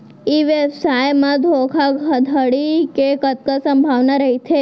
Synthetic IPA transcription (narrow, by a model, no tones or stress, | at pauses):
iʋjəsajmãd̪ʱokʰaɡʱəd̪ʱəɽikekət̪̚kəsə̃mbʱaʋnaɾəɦit̪ʰe